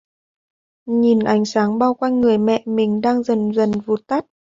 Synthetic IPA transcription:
ɲi˨˩nʔa˨˦jŋ̟saː˨˦ŋɓaː˧wkwa˧jnŋɨ˨˩əjmɛ̰˧˨mï˨˩ŋ̟ɗaː˧ŋzə˨˩nzə˨˩nvu˨˩t̪a˦˥t̚

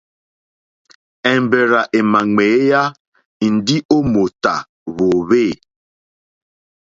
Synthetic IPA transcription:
ɛ˨m˨be˨ɾa˨ʔe˨ma˨ŋeː˨˦ja˦ | i˨n˨di˦ʔo˦mo˨ta̰˨ | βo˨βeː˦˨

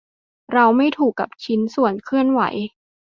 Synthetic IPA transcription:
ɾa˧wma˥˩jt̪ʰuː˨˩kːa̰˨˩p̚t͡ɕʰi˦˥nsu˨˩ənkʰɯ˥˩ənwa̰˩˦j

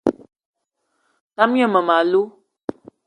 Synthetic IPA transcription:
ta˦mjə˦˨mə˨ma˨lu˦

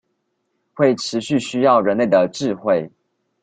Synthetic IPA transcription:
xwe˥˩ɪʈ͡ʂʰɻ̩˧˦ɕy˥˨ɕy˥jɑ˥˩ʊɻə˧˥nle˥˩ɪd̪ə˩ʈ͡ʂɻ̩˥˧xwe˥˩ɪ

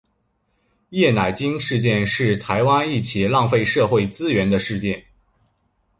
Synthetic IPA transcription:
jɛ˥˩na˨˩ɪt͡ɕi˥ŋʂɻ̩˥˧t͡ɕjɛ˥˧nʂɻ̩˥˩t̪ʰa˧˥ɪwa˥ni˥˩t͡ɕʰi˨˩lɑ˥˧ŋfe˥˧ɪʂɤ˥˧xwe˥˩ɪt͡sɹ̩˥ɥɛ˧˥nd̪ə˧ʂɻ̩˥˧t͡ɕjɛ˥˩n

